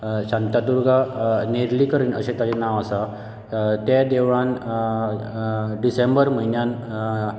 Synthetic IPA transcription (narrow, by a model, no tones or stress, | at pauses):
ɕant̪ad̪uɾɡʱaneɾliːkəɾiːnə̰ɕet̪jat͡ɕenaʋasa | t̪jad̪eʋan | ɖisembəɾm̤əinjan